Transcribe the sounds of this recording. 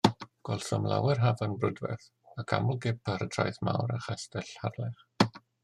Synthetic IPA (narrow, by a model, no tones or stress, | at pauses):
ɡ̥wɔlˠθɔmlˠa̰wɛrɦavanbrʊdvɛ̰θ | akʰa̰mʊlˠɡɪpʰaɾədʰrajθma̰wɾaχɛstɛɬharlɛχ